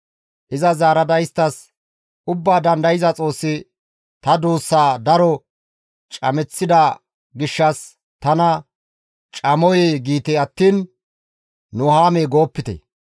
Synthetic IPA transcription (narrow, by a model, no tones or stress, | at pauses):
ʔɪzɐzaːɾɐd̪ɐjɪst̪ːɐs | ʊbːaːd̪ɐnd̪ɐjɪzɐt͡sʼo̞ːsːɪ | t̪ɐd̪uːsːaːd̪ɐɾɔ | t͡ʃʼɐ̰mɛt͡sːɪd̪ɐ | ɡɪʃːɐs | t̪ɐnɐ | t͡ʃʼɐmɔjeɡiːt̪ɛɐt̪ːiːn | nʊhaːmeːɡo̞ːpːɪt̪ɛ̰